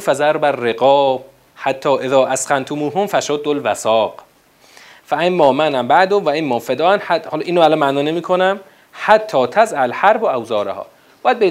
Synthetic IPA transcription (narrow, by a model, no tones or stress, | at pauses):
fæzæɾbærːeɡɒːb | hat̪ʰːɒːʔeðɒːʔæsqænt̪ʰomuːɦomfæʃod̪ːolvæsɒːq | fæʔemːɒːmænæmbæʔd̪omvæʔemːɒːfed̪ɒːʔænħæhɒlʔiːnoælɔnmæʔnɒːnemiːkʰonæm | hat̪ʰːɒːt̪ʰæzʔælħæɾboʔæwzɒːɾḛhɒ̰ː | b̥ɒːjæd̪̚be